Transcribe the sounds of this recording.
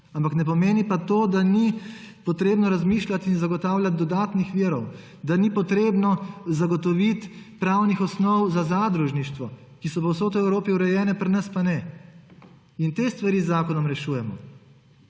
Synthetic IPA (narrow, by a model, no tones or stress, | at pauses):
ampaknɛpɔmeːnipat̪oːd̪ani | pɔt̪ɾeːbnɔɾazmiːʃlʲat̪inzaɡɔt̪aːwlʲjat̪̚d̪ɔd̪aːt̪nixʋiəɾɔw | d̪anipɔt̪ɾeːbnɔzaɡɔt̪ɔʋit̪pɾaːwnixɔsnɔwzazaːd̪ɾuʒniʃt̪ʋɔ | kisɔpɔwsoːt̪ɔɛwɾoːpiuɾɛjɛːnɛpɾnəspanɛ | int̪eːst̪ʋaɾiːzːaːkɔnɔmɾɛʃuːjɛmɔ